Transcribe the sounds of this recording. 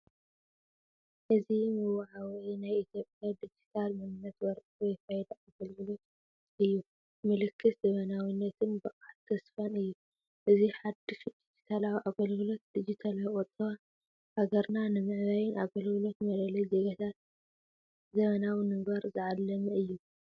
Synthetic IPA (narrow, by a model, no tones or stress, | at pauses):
ʔɨzimɨwaʕawnajʔit̪ʰjo̞pʼjad̪id͡ʒit̪ʰalmɨnɨnːɐt̪wɐɾkʼwɔjfajd̪ɐʔaɡɐlɡɨlo̞t̪ | ʔɨjːu | mɨlɨkʰːɨszɐmɐnawinːɐt̪ʰɨnbɨʔʼat̪ʰːɐsfanɨjːu | ʔɨziħad̪ifid͡ʒid͡ʒi̥t̪ʰalawiʔaɡɐlɡɨlo̞t̪̚d̪̥id͡ʒit̪ʰalawʼɔt̪ʼɐβa | haɡɐɾnanɨmɨʕβajɪnʔaɡɐlɡɨlo̞t̪mɐlɐlɐzeɡɐt̪ʰat̪ | zɐmɐnawinɨmbɐɾzɨʕalːɐmɨɨjːu